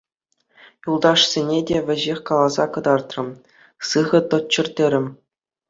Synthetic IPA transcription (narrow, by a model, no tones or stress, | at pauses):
julˠd̪ɑʂsʲenʲedʲeʋʲɘ̆ʑexʲkɑlˠɑzɑkɤ̆d̪ɑrt̪rɤ̆m | sɯʁɤ̆t̪ŏt͡ɕːɘ̆rʲtʲeɾʲɘ̆mʲ